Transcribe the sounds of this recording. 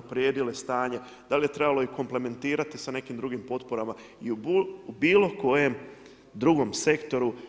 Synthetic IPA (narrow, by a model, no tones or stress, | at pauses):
pɾjeːd̪ile̞st̪aːɲe̞ | d̪̥alije̞t̪ɾe̞balˠo̞iko̞mple̞me̞nt̪iːɾat̪isane̞kiːmd̪ɾuɡimpo̞t̪poɾama | iubiːlo̞ko̞je̞m | d̪ɾuɡo̞mse̞kt̪o̞ɾu